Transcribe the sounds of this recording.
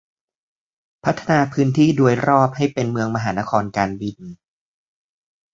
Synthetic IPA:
pʰa˦˥t̪ʰːa˧naː˧pʰɯː˦˥nt̪ʰiː˥˩du˧əjɾɔː˥˩p̚ha˥˩jpe˧nmɯ˧əŋma˧ɦaː˩˦na˦˥kʰɔː˧nkaː˧nbi˧n

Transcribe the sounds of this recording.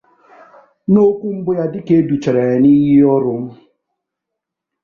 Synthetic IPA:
no˦kʷu˦m̩˦bʊ˦ja˦dɪ˦ke˦du˨t͡ʃɛ˨ɾɛ˨ni˦ji˦ɔ˦ɾʊ˨˦m̩˦

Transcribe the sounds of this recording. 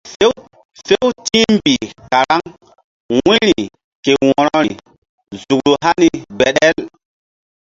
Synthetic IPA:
fe˦w | fe˦wti˦mbi˨ka˨ɾa˦ŋ | wĩ˦ɾi˨ | ke˨wɔ˨ɾɔ˦ɾi˨ | zu˨kɾu˨ɦa˦ni˨be˨ɗɛ˦l

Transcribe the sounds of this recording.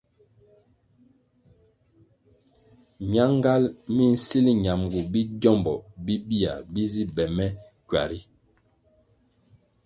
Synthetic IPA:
mja˦ŋ˦ɡa˦lmi˦n̩˦si˦li˦ɲa˨mɡu˨bi˦ɟɔ˦˨mbɔ˨bi˦bi˦a̰˨bi˦zi˦bɛ˨mɛ˦kwa̰˨ɾi˦

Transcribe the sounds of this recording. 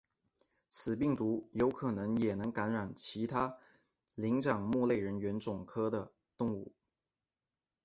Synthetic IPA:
sɹ̩˨˩pi˥˩ŋt̪u˧˥jo˧˥ʊkʰɤ˨˩nɤ˧˥ŋjɛ˨˩nɤ˧˥ŋka˧˥nɻa˨˩nt͡ɕʰi˧˥t̪ʰa˥ | li˧˥ŋt͡ɕɑ˨˩ŋmu˥˧le˥˩ɪɻə˧˥nɥɛ˧˥nt͡sʊ˨˩ŋkʰɤ˥d̪ə˨ | t̪ʊ˥˧ŋu˥˩

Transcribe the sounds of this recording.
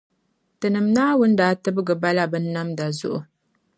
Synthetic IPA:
tɨ˨nɨ˨mnaː˦wʊ˦n˦daː˨˦˨tɨ˦bɨ˦ɡɨ˨ba˦la˦bɨ˦nː˦a˦mda˨zʊ̰˦ʔʊ˨

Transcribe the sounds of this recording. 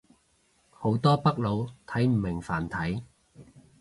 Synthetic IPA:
ho˨˥wt̪ɔː˥pɐ˥k̚lo˨˧wt̪ʰɐ˨˥jm̩˨˩mɪ˨˩ŋfaː˨˩nt̪ʰɐ˨˥j

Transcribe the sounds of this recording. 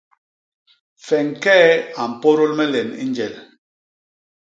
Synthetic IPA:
fɛ˨ŋ˨kɛ˦a˨m̩˨po˦ɾo˦lmɛ˦lɛ˨nḭ˦nd͡ʒɛ˨l

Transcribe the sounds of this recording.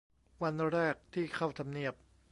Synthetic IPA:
wa˧nɾɛː˥˩k̚t̪ʰiː˥˩kʰa˥˩wt̪ʰa˧mni˥˩əp̚

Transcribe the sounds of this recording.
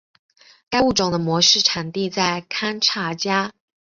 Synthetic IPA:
ka˥ɪu˥˩ʈ͡ʂʊ˨˩ŋd̪ə˦mwɔ˧˥ʂɻ̩˥˩ʈ͡ʂʰa˨˩nt̪i˥˧t͡sa˥˩ɪkʰa˥nʈ͡ʂʰa˧˥t͡ɕja˥

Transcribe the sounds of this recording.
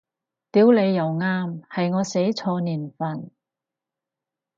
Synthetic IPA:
t̪iː˨˥wle˨˧jːɐ˨˩wŋaː˥mhɐ˨jŋɔː˨˧se˨˥jt͡sʰɔː˧niː˨˩nfɐ˨˩n

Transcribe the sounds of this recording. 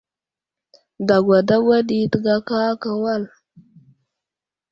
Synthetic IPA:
da˨ɡʷa˨da˦ɡʷa˦ɗi˦tə˨ɡa˦ka˦ka˨wa˦˨l

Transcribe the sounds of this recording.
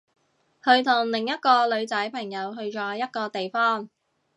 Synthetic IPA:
hɵ˨˧ɥt̪ʰʊ˨˩ŋlɪ˨˩ŋjɐ˥t̚kɔː˧lɵ˨˧ɥt͡sɐ˨˥jpʰɐ˨˩ŋjɐ˨˧wɦɵ˧ɥt͡ʃɔː˨˧˥jɐ˥t̚kɔː˧t̪e˨jfɔː˥ŋ

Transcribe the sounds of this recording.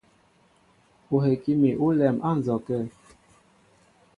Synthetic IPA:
o˨ɦe˨ki˦mi˨ʔu˦lɛ˨mʔa˦˨n̩˨zɔ˨kɛ˦˨

